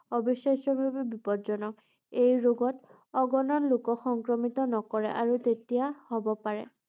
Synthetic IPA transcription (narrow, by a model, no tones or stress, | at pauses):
obisasɔbʱabibipɔzɔnɔk | ejɹoɡɔt | ɔɡɔnɔnlukɔxɔŋkɹɔmitɔnɔkɔɹɛ̰ʔaɹutetijahɔbɔpaɹɛ̰